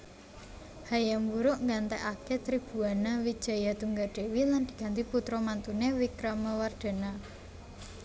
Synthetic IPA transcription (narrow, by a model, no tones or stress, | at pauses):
hajamwuɾʊʔŋɡant̪ɛʔaket̪ɾib̥ṳanawid̥ʒ̥a̤jat̪uŋɡaɖ̥e̤wiland̪̥i̤ɡ̥a̤nt̪iput̪ɾɔmant̪unewikɾaməward̪̥a̤na